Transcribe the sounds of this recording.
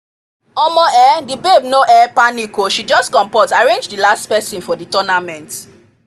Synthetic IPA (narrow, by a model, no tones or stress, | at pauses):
ɔmɔ̃ɛdibebnoʔɛpanikoʃid͡ʒɔstkɔ̃mpɔtaɹẽnd͡ʒdilastpɛsĩnfɔditɔnamɛ̃nt